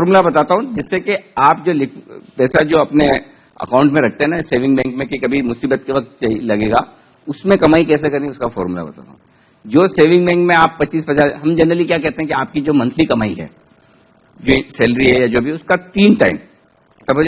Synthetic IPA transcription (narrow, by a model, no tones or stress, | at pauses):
ɔːɾmulabɐt̪aːt̪aɦũd͡ʒɪsːekeaːpd͡ʒoːlɪkʰpɛːsad͡ʒoːɐpne | ɐ̰kãːʊ̃ɳʈmẽɾɐk̚ʰt̪eɦɛnaseːʋɪ̃ŋɡbɛ̃ːŋkmẽkikɐbʱimʊsiːbət̪̚keʋɐk̚t̪̚t͡ʃailɐɡeːɡa̰ː | ʊsmẽkɐmaːikɛːsekɐɾeiʊskafɔ̰ːɾmula̰bɐt̪a̰ːt̪a̰ɦũ | d͡ʒoːseːʋɪ̃ŋɡbɛ̃ːŋkmẽaːpːɐtːt͡ʃːiːsbɐd͡ʒaːɾɦɐmd͡ʒɐnɾəlikjaːkɛɦt̪ẽɦɛ̃kiaːp̚kid͡ʒoːmɐ̃nt̪ʰlikɐmaːiɦɛ̰ː | d͡ʒoisɛːlɾiɦɛjad͡ʒoːbʱiʊskat̪iːnʈa̰ːɪm | sɐbɐ